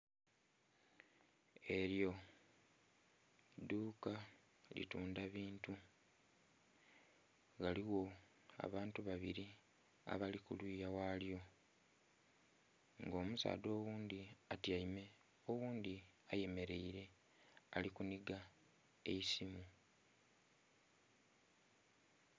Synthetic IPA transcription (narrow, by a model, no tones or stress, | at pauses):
e̞ɾjo̞ | duːka | lḭtuːndaβiːntu | ɣaliwo̞ | a̰βaːntuβaβiɾi | a̰βalikulwiːjawaːljo̞ | ŋɡo̞ːmusa̰ːdo̞ːwuːnd̪iatiaime̞ | owuːnd̪iaje̞me̞ɾe̞iɾe̞ | alikuniɡa | e̞isimu